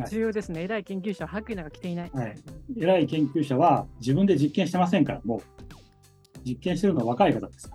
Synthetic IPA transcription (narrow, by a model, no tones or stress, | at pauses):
aid͡ʑɨːjo̞ːd̪e̞sɨne̞eɾaikẽ̞ŋkʲɨːɕaβahakɯ̟inoɡakʲi̥t̪einaihaie̞ɾaikẽ̞ŋkʲɨːɕaβ̞ad͡ʑibɯ̃nd̪e̞d͡ʑikːẽɕi̥t̪e̞mas̬ẽ̞ŋkaɾamo̞ | d͡ʑikːẽ̞ɕit̪e̞ɾɯnoaβakaikat̪ad̪e̞sɨ̥kḁ